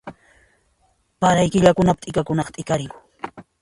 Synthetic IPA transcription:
paɾajkɪʎakʊnapt̪ʼɪkakʊnɑqt̪ʼɪkaɾɪŋʊ

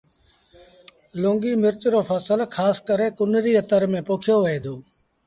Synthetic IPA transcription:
lõːŋɡiːmɪɾt͡ʃɾoːfʰəsəlkʰaːskəɾeːkʊnɾiːət̪əɾmẽːpoːkʰɪjoːʋəeːd̪ʰoː

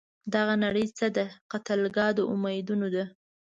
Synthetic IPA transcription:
d̪aɣanaɽəjt͡səd̪əqat̪əlɡɑd̪oʔʊmajd̪unod̪a

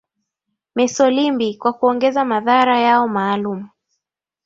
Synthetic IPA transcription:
mɛsɔlimbikwakuɔŋɡɛzamaðaɾajaɔmaːlum̩

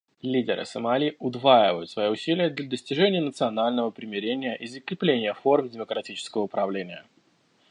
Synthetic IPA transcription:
lʲidʲɪɾɨ̰səmalʲiʔʊd̪vajɪvəjʊt̪svɐjoʊsʲilʲɪjəd̪lʲəd̪əsʲtʲɪʐɛnʲɪjənət̪sɨɐnalʲnəvəpɾʲɪmʲɪɾʲenʲɪjəʔizəkɾʲɪplʲenʲɪjəformdʲɪməkɾɐtʲit͡ɕɪ̥skəvəʊpɾɐvlʲenʲɪjə

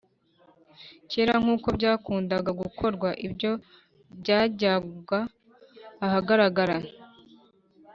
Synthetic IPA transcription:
ceːɾaŋ̥uːko̞bɟaːkuːndaɡaɡukʰo̞ɾɡwaʔibɟo̞ | bɟaːɟaɡaː | haɡaɾaɡaɾa

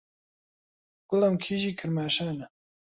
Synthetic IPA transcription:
ɡ̥ʊlɐmkʰiːʒiːkʰɨɾmaːʃaːnɐ

